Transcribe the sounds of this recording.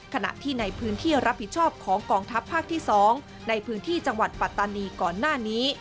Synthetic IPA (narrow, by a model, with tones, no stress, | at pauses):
kʰa˧na̰˨˩ʔt̪ʰiː˥˩na˧jpʰɯː˦˥nt̪ʰiː˥˩ɾa˦˥pʰːi˨˩t̪̚t͡ɕʰɔː˥˩p̚kʰɔː˩˦ŋkɔː˧ŋt̪ʰa˦˥pʰːaː˥˩k̚t̪ʰiː˥˩sɔː˩˦ŋ | na˧jpʰɯː˦˥nt̪ʰiː˥˩t͡ɕa˧ŋwa˨˩t̪̚pa˨˩t̪ːaː˧niː˧kɔː˨˩nːaː˥˩niː˦˥